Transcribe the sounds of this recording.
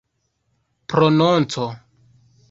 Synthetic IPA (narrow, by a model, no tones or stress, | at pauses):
pɾonunt͡so